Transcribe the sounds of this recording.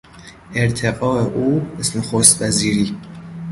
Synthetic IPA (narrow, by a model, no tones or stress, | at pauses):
ʔeɾt̪ʰeɣɒːeʔuːbesmexost̪væziːɾiː